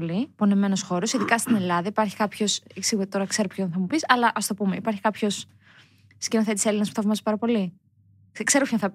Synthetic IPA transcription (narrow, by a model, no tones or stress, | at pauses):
lipo̞neme̞no̞sxo̞ɾo̞siðikɐst̪ine̞lɐðɐipɐɾçi̥kɐpço̞seksiɣuet̪o̞ɾɐkse̞ɾopçonθɐmupisɐlɐʔɐst̪o̞pume̞ipɐɾçi̥kɐpço̞s | scinoθe̞t̪ise̞linɐspu̥θɐvmɐzi̥pɐɾɐpo̞li | kse̞ɾopçonθɐp